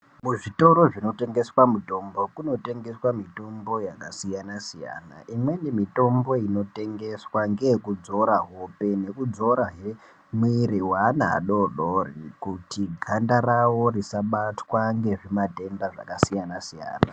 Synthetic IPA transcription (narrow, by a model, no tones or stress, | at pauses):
muʐito̞ɾo̞ʐino̞te̞ŋɡe̞swamuto̞mbo̞kuno̞te̞ŋɡe̞swamito̞mbo̞jakasijanasija̰na̰ʔimwe̞nemito̞mbo̞ino̞te̞ŋɡe̞swaŋɡeekud͡zo̞ɾaɦope̞ne̞kud͡zo̞ɾaɦe | mwiɾiwanaa̰ɗo̞ɗorikutiɡʱandarawo̞risaɓatwaŋɡe̞ʐemate̞nbaʐa̰kasijanasija̰ːna̰